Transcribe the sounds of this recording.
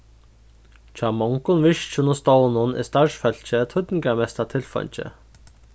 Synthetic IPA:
t͡ɕʰaːmɔŋkʊnʋɪʃt͡ʃʊnʊst̪ɔwnʊnɪ̰st̪aɹʂfœl̥t͡ɕət̪ʰʊt̪ɪŋkamɛst̪at̪ʰɪlfɔ̰ɲt͡ɕɪ̰

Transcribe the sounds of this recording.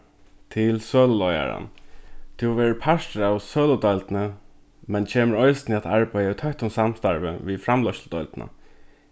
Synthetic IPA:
t̪ʰɪlsøːlʊlɔja̰ɾa̰nt̪ʰuwʋɛːɹəpʰaʂtəɾawsøːlʊd̪ɔlt̪nə | mɛnt͡ʃʰeːməɾɔɪsnɪat̪aɹbæjait̪ʰœht̪ʊnsamst̪aɹʋə̰ʋifɾamlɔʃld̪ɔʏlt̪na̰

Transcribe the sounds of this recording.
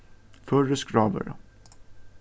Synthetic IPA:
fœɾəskɾɑːʋə̰ɾə̰

